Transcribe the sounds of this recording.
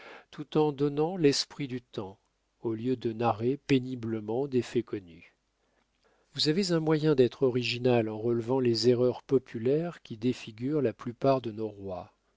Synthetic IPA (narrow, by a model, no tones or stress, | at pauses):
t̪ʰut̪ɑ̃d̪ɔnɑ̃lɛspχid̪yt̪ɑ̃ | oljød̪ənaʁepenibləmɑ̃d̪efɛkɔny | vuzavezɛ̃mwajɛ̃d̪ɛt̪χɔʁiʒinalɑ̃ʁəlvɑ̃lezeʁœʁpɔpʰylɛʁkʲid̪efiɡʲyʁlaplypaʁd̪ənoʁwa